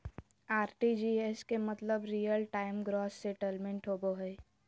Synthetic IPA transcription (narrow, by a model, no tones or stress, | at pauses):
aːɾʈid͡ʒieskemət̪ləbɾijəlʈaːɪmɡɾɔːsseʈəlmẽɳʈɦoboɦəː